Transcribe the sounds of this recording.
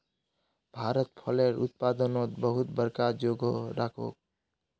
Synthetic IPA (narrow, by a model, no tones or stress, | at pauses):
bʱaɾət̪pʰɔleɾṵt̪̚pad̪ənot̪bəɦut̪bəɾkad͡ʒoɡʱoɾʔakʰo̰k̚